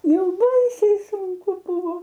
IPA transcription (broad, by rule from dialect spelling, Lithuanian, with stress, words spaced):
ˈjɛʊ ˈbɐɪsʲɛɪ sʊŋˈkʊ ˈbuːʋoː